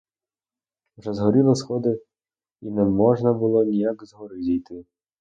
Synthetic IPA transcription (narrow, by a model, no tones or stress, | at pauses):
wʒɛzɦɔɾʲilˠɐsxɔd̪ɪ | inɛmɔʒnɐbʊlˠɔnʲijakzɦɔɾɪzʲijt̪ɪ